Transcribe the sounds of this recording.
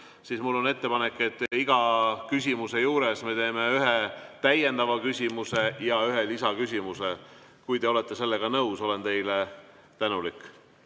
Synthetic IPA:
sismulːo̞ne̞t̪ːe̞pɑnekːˑet̪ːˑiɡ̥ɑkysʲimuse̞juːɾe̞sme̞t̪e̞ːme̞yɦet̪æjend̪ɑvɑkysʲimuse̞jɑyɦe̞lisɑkysʲimuse | kujd̪e̞ole̞t̪ˑːe̞se̞lːe̞ɡ̥ɑnɤuso̞le̞nt̪e̞jle | t̪ænulikːˑ

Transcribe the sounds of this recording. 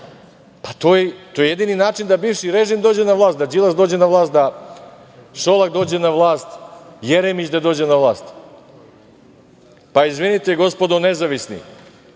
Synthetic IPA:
pḁt̪oːjet̪ojejed̪ininaːt͡ʃind̪abiːʋʃiɾe̞ʒimd̪oːd͡ʑenaʋlˠaːst̪d̪ad͡ʒilasd̪oːd͡ʑenaʋlˠaːst̪̚d̪a | ʃo̞lakd̪o̞ːd͡ʑe̞naʋlˠaːst̪jeɾemit͡ɕd̪ad̪o̞ːd͡ʑe̞naʋlˠaːst̪ | paizʋinit̪eɡo̞spo̞d̪one̞zaʋisnḭ

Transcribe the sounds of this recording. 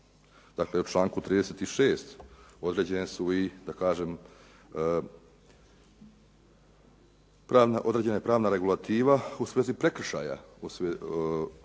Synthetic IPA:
d̪akleut͡ʃlˠaːŋkut̪ɾiːd̪eset̪iʃe̞ːst̪o̞d̪ɾe̞ːd͡ʑenesuid̪akaːʒe̞m | pɾaːnaʔo̞d̪ɾeːd͡ʑenajepɾaːʋnaɾe̞ɡulˠat̪iːʋausʋeːzipɾe̞kr̩ʃa̰ːja̰use

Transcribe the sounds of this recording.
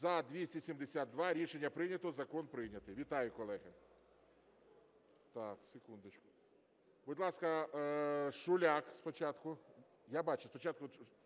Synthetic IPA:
zɐd̪ʋʲisʲtʲisʲimd̪esʲad̪̚d̪ʋɑɾʲiʃenʲːɐpɾɪnʲɐt̪ɔzɐkɔnpɾɪnʲɐt̪ɪjʋʲit̪ɑjʊkɔlˠɛɦɐ | t̪ɑksʲekund̪ɪt͡ʃkʊ̥ | bʊd̪lˠɑskɐ | ʃʊlʲakspɔt͡ʃat̪kʊ | jabɑt͡ʃɛspɔt͡ʃat̪̚kʊ

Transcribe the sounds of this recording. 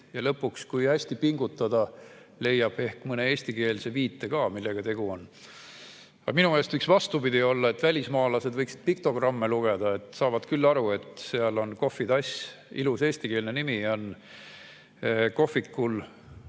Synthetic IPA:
jɑlɤpːˑukskujhæsʲt̪ipiŋɡut̪ːˑɑd̪̥ɑ | le̞jːɑb̥e̞hkmɤne̞e̞ːsʲt̪ike̞ːlse̞viːt̪ːe̞kɑːmilːe̞ɡ̥ɑt̪e̞ɡ̥uon | ɑ̰̥ɑminumelst̪yksvɑst̪upid̪io̞lːɑet̪ːˑvælʲismɑːlɑse̞d̪vɤjksid̪̥̚pik̚t̪o̞ɡ̥rɑmːeluɡ̥e̞d̪ɑet̪ˑsɑːvɑd̪̥kylːɑɾue̞t̪ˑseɑlo̞nko̞fid̪ɑsʲ | ḭluse̞ːsʲt̪ike̞ːlnenimio̞n | ko̞fːikːul

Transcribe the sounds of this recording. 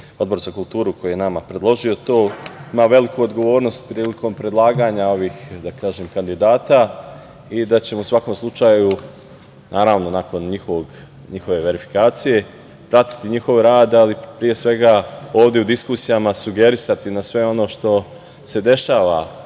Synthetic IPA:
od̪bo̞ɾzakulˠt̪uːɾukojujenamapɾe̞d̪lˠo̞ʒio̞t̪o̞ːimaːʋe̞likuod̪ɡo̞ʋo̞ːɾno̞st̪̚pɾiːliko̞mpɾe̞d̪lˠaːɡaːɲao̞ʋiːxd̪akaːʒemkand̪id̪aːt̪a | id̪at͡ɕe̞mousʋako̞mslˠut͡ʃaːju | naːɾaːʋno̞nako̞nɲixo̞ʋo̞ɡ | ɲixo̞ʋe̞ʋe̞ɾifi̥kaːt̪sije̞ | pɾat̪i̥t̪iɲixo̞ʋɾaːd̪alipɾije̞sʋe̞ɡao̞ːʋd̪je̞ud̪iskusijamasuɡe̞ɾisat̪inasʋe̞o̞no̞ːʃt̪o̞ | se̞d̪e̞ʃaːʋa

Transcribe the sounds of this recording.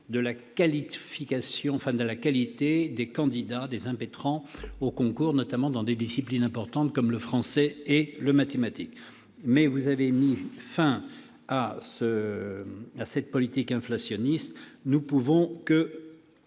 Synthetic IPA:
d̪əlakalifikasjɔ̃ɑ̃fɛ̃d̪əlakalit̪ed̪ekɑ̃d̪id̪ad̪ezɛ̃pet̪χɑ̃okɔ̃kuʁnɔt̪amɑ̃d̪ɑ̃d̪ed̪isiplinɛ̃pɔʁt̪ɑ̃t̪kɔmləfχɑ̃sɛeləmat̪emat̪ik | mɛvuzavemifɛ̃ | asə | asɛt̪̚pɔlit̪ikɛ̃flasjɔnist̪nupuvɔ̃kə

